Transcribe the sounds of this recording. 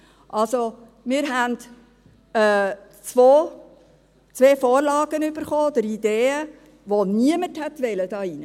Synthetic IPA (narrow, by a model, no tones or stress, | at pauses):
ʔɑlso | mɪːɾɦænd | ɛ | t͡sʋoː | t͡sʋeːfoːɾlɑːɡənyb̥əɾχoːd̪əɾid̥eːə | ʋoniəməthɛtʋɛləd̥ɑːinə